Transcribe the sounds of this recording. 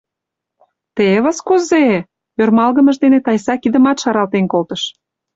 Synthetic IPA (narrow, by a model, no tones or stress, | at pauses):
t̪eβəskuze | ørmɑlɣə̆mə̆ʒd̪enet̪ɑjsɑkid̪ə̆mɑt̪ʃɑɾɑlt̪enkolt̪əʃ